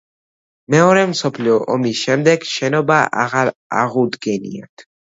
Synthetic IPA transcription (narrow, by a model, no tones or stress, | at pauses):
mɛɔɾɛmsɔpʰliɔʔɔmisʃɛmd̪ɛɡʃɛnɔbaʔa̰ʁaɾa̰ʁud̪ɡɛnḭa̰t̪ʰ